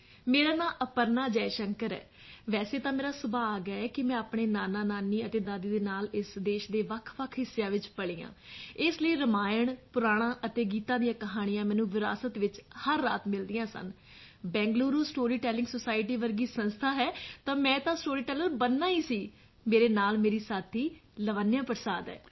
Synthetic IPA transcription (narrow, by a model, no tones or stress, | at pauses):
meːɾaːnaːʔəpəɾnaːd͡ʒɛːʃəŋkəɾɛ̰ː | ʋɛːseːt̪ãːmeːɾaːsʊbaːaːɡaːɛːkɪmɛ̃ːaːpɳeːnaːnaːnaːniːət̪eːd̪aːd̪iːd̪eːnaːlɪsd̪eːʃd̪eːʋəkʰʋəkʰɦɪsːejãːʋɪt͡ʃpəɽiːã̰ːɪsləiːɾəmaːjəɳpʊɾaːɽ̃ãːʔət̪eːɡiːt̪ãːd̪ijãːkəɦaːɽ̃ɪjãːmɛ̃ːnũːʋɪɾa̰ːsət̪ʋɪt͡ʃhəɾːa̰ːt̪mɪld̪ijãːsə̰n | bɛ̃ːŋɡluːɾũsʈoːɾiːʈɛːlɪ̃ŋɡsosaːɪʈiːʋəɾɡiːsə̃nst̪ʰaːɦɛːt̪ãːmɛ̃ːt̪ãːsʈoːɾiːʈɛːləɾbənːaːiːsiː | meːɾeːnaːlmeːɾiːsaːt̪ʰiːləʋaːnɪjãːpəɾsaːd̪ɛ̰ː